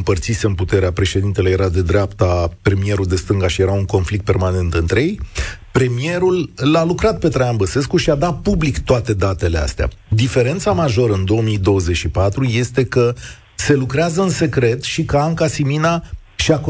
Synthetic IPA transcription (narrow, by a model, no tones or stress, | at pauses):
ɨmpərt̪sise̞ɨnput̪e̞ɾeapɾe̞ʃe̞d̪int̪eleje̞ɾad̪e̞d̪ɾeapt̪apɾe̞mie̞ɾuld̪e̞st̪ɨŋɡaʃije̞ɾauŋko̞nflik̚t̪peɾmane̞nt̪ɨnt̪ɾejejpɾe̞mie̞ɾulalukɾat̪̚pe̞t̪ɾajanbəse̞skuʃiad̪at̪̚publikt̪oat̪e̞d̪at̪e̞le̞a̰st̪ea̰ | d̪ife̞ɾe̞nt̪samaʒo̞ɾəɨnd̪o̞omijd̪o̞wəze̞t͡ʃʃipat̪ɾuje̞st̪e̞kə | se̞lukɾeazəɨnse̞kɾe̞t̪ʃikəaŋkasiminaʃiak